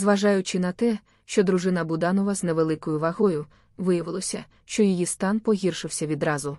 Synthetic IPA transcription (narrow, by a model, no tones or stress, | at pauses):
zʋɐʒɑjʊt͡ʃɪnɐt̪ɛ | ʃt͡ʃɔd̪ɾʊʒɪnɐbʊd̪ɑnɔʋɐzneʋelˠɪkɔjʊʋɐɦɔjʊ | ʋɪjɐʋɪlˠɔsʲɐ | ʃt͡ʃɔjijist̪ɑnpɔɦʲirʃɪwsʲɐʋʲid̪ɾɑzʊ